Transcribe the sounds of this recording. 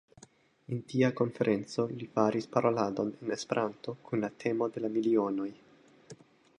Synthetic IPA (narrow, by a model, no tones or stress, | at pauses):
entiako̞nfe̞ɾʔe̞nt͡so̞lifaɾispaɾʔo̞lado̞nene̞speɾʔanto̞kunlatʰe̞mo̞de̞lamilio̞no̞j